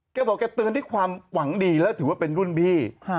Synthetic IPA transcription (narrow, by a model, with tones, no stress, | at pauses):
kɛː˥˩bɔː˨˩kːɛː˧˩t̪ɯː˧ndaː˥˩kʰwaː˧mwa˩˦ŋdiː˧lɛː˦˥wt̪ʰɯː˩˦waː˥˩pe˧nɾu˥˩nbiː˦˥˩